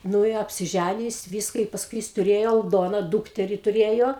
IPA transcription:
ˈnʊ ɪ ɐpʲsʲɪˈʒʲænʲɪjoː ˈjɪs ˈʋʲiːskɐ ɪ pɐsˈkʊɪ jɪs tʊˈrʲeːjoː ɐlˠˈdoːnɐ ˈduːktʲɛrʲɪ tʊˈrʲeːjoː

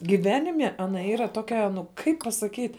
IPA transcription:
ɡʲɪˈʋʲæːnʲɪmʲɛ ɐˈnɐ ˈiːrɐ ˈtoːkʲɛ nʊ ˈkɐɪp pɐsɐˈkʲiːtʲ

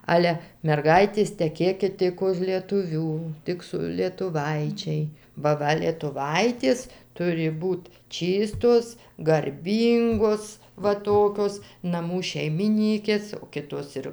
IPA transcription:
ˈɑːlʲɛ mʲɛrˈɡɐɪtʲeːs tʲɛˈkʲeːkʲɪt ˈtʲɪk ʊʃ lʲiɛtʊˈʋʲuː ˈtʲɪk sʊ lʲiɛtʊˈʋɐɪt͡ʃʲɛɪ bɐ ˈʋɐ lʲiɛtʊˈʋɐɪtʲeːs ˈtʊrʲɪ ˈbuːt ˈt͡ʃʲiːstoːs ɡɐrʲˈbʲiːŋɡoːs ʋɐ ˈtoːkʲoːs nɐˈmuː ʃʲɛɪmʲɪˈnʲiːkʲeːs oː ˈkʲɪtoːs ɪr

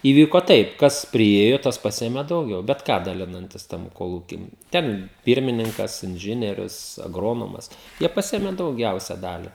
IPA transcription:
iːˈʋʲiːkoː ˈtɐɪp ˈkɐs pʲrʲɪˈeːjoː ˈtɐs ˈpɑːsʲeːmʲeː dɐʊˈɡʲɛʊ bʲɛt ˈkɑː dɐˈlʲɪnɐnʲtʲɪs ˈtɐm koːˈlˠuːkʲiː ˈtʲɛn ˈpʲiːrʲmʲɪnʲɪŋkɐs ɪnʲˈʒʲɪnʲiɛrʲʊs ɐɡˈroːnoːmɐs ˈjiɛ pɐˈsʲɪeːmʲɛ dɐʊˈɡʲɛʊsʲɛ ˈdɑːlʲɪ

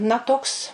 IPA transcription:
nɐ ˈtoːks

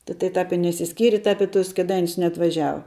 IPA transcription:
tʲɪ tɐɪ ˈtɐp ɪ nʲɛɪʃʲsʲɪˈsʲkʲiːrʲɪ ˈtɐp ɪ tʊs kʲeːˈdɐɪnʲʊs nʲɛɐtʋɐˈʒʲæːʋɐ

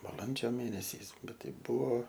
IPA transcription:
bɐˈlˠɐnʲd͡ʒʲoː ˈmʲeːnʲɛsʲɛɪs ˈbʲɛt ˈtɐɪ ˈbʊʋoː

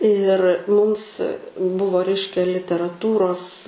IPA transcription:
ɪr ˈmʊms ˈbʊʋoː ˈrʲɛɪʃʲkʲɛ lʲɪtʲɛrɐˈtuːroːs

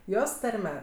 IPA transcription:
ˈjoːs ˈtɐrʲmʲɛ

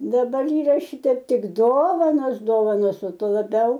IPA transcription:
dɐˈbɐr ˈiːrɐˈʃʲɪtʲɛɪp ˈtʲɪk ˈdoːʋɐnoːs ˈdoːʋɐnoːs oː ˈtuɔ lˠɐˈbʲɛʊ

